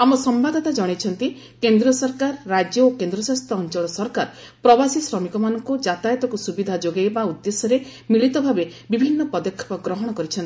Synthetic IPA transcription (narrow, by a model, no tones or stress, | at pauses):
amɔsɔmbad̪ʱɔt̪ad͡ʒɔɽ̃et͡ʃʰɔnt̪i | kend̪ɾɔsɔɾkaɾːad͡ʒjɔokend̪ɾɔsast̪ʰɔːnt͡ʃɔɭɔsɔɾkaɾɔ | pɾɔbasisɾɔmikɔmanɔŋkud͡ʒat̪ajɔt̪ɔkusubid̪ʱad͡ʒoɡajbaud̪ːesɔɾemiɭit̪ɔbʱabebibʱinːɔpɔd̪ɔkʰːɔ̥pɔɡɾɔɦɔɽ̃ɔkɔɾit͡ʃʰɔnt̪i